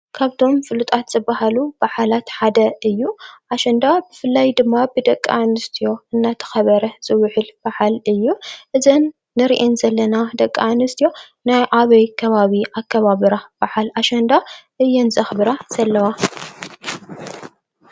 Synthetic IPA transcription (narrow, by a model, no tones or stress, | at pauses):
kʰaβt̪ʰo̞mfɨlut̪ʼat̪z̥ɨbːahalub̥aħalat̪ħad̪ɐɨjːuʔaʃɐnd̪abɨfɨlːajd̪ɨmːabɨd̪ɐkʼːa̰nɨst̪ʰijo̞ɨnːat̪ʰɐ̥xɐβɐɾɐz̥ɨwʊħɨlbaħalɨjːuʔɨzɐnː | ɨɾiʔenzɐlːɐnad̪ɐkʼːaʕnɨst̪ʰijo̞ | najʔaβɐjkʰɐβaβiʔakʰːɐβaβɨɾab̥aħalaʃɐnd̪aʔɨjːɛnzɐxbɨɾaz̥ɐlːɐwa